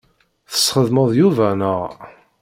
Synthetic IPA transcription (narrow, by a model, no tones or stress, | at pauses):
θə̥sχəðməðˤjuvænəʁ